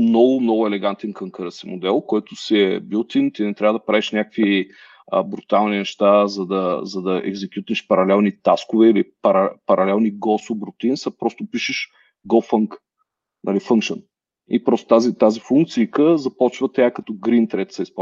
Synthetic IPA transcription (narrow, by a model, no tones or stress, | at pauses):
mnɔɡʊmnɔɡʊɛlɛɡant̪ɛnkəŋkəɾəsimod̪ɛlˠkɔjt̪ʊsiɛbilˠt̪int̪inɛt̪ɾʲavəd̪ɐpɾaviʃnʲakəkvi | ə̰bɾut̪alˠninɛʃt̪azɐd̪ɐzɐd̪ɐʔɛ̰ɡzɛkʲjut̪ɛʃpɐɾɐlɛlˠnit̪askʊvɛilipɐɾpɐɾʔɐlɛlˠniɡɔsobɾʊt̪insɐpɾɔst̪ʊpiʃɛʃ | ɡɔfəŋk | nʔɐlifəŋkʃən | ḭpɾɔst̪o̥t̪azit̪azifuŋk̚t̪siːkəzɐpɔt͡ʃvət̪ɛakɐt̪ɔɡɾint̪ɾɛt̪sɐispa